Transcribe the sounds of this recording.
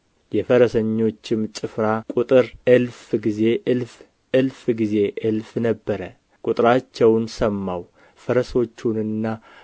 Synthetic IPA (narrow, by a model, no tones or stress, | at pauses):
jɛfəɾəsəɲːo̞t͡ʃːɪmt͡ʃʼɨfɾakʼut̪ʼɨɾʔɨlfɡize̞ʔɨlf | ʔɨlfɡize̞ʔɨlfnəbːəɾə | kʼʊt̪ʼɾat͡ʃːɛwnsəmːaw | fəɾəso̞t͡ʃːunɨnːa